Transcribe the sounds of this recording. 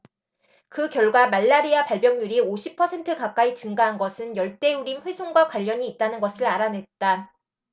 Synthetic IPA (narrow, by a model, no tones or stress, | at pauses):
kɯkjʌɭɡwamaɭːaɾiapaɭbjʌŋjuɾioɕʰipʰʌsʰe̞ntʰɯkak̚k͈ait͡ɕɯŋɡaɦanɡʌsʰɯnjʌɭt͈e̞uɾinɸwe̞sʰoŋɡwakwaʎːʌɲiːt̚t͈anɯnɡʌsʰɯɾaɾane̞t̚t͈a